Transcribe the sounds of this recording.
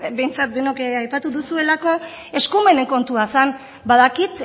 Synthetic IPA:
be̞jnt͡sat̪̚d̪enokeajpat̪uðusue̞lako̞ | e̞skume̞ne̞ŋko̞nt̪uasan | baðakit̪

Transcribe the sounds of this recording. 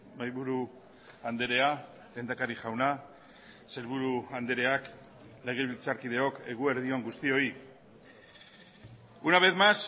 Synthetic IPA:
majβuɾu | and̪e̞ɾe̞a | le̞ːnd̪akaɾiʝawna | se̞lβuɾuand̪e̞ɾe̞ak | le̞ɣ̞e̞βilt͡saɾkiðe̞o̞ke̞ɣue̞ɾðio̞ŋɡust̪io̞i | unaβet̪mas

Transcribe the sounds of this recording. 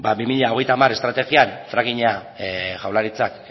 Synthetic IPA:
babimiʎao̞ɣ̞e̞jt̪amare̞st̪ɾat̪e̞ɣianfɾaɣiɲa | ʝawlaɾit͡sak

